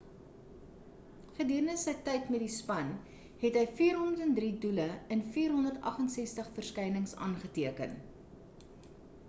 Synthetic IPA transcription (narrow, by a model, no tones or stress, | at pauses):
χədiəɾənəsəjtɛjtmɛt̚dispɐn | ɦɛtɦəjfiːrɦɔndətɛndriduləənfiːrɦɔndərtɐ̰χənsɛstəχfərskɐjnəŋsɑ̰ːnχətiəkə̰n